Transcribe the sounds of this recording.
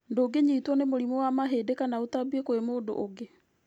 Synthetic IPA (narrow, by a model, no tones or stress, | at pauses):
ndoːɡeɲetwɔnemoɾimɔwamaɦeːdekanaotabwekoemoːdo̰ʔoɡe